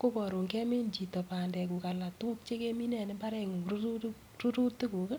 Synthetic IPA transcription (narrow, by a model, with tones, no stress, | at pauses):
ko˦pɔ˨ɾo˨ŋkɛ˦me˦nt͡ʃi˨tɔ˨pa˨ndɛ˨ku˨ka˨la˨tu˦k̚t͡ʃe˦ke˦mi˦nɛ˨nɪ˦mba˦ɾɛ˨ŋ˨ɾu˦u˦ | ru˦ɾu˦tːi˦ku˨kə˦